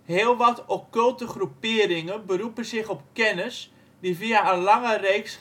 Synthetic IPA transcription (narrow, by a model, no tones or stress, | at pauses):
ɦɪːəlˠʋɔtokɵlˠtəχrupɪəɾɪŋənbəɾupənzɪχɔpkɛnəs | diviaənlaŋəreːks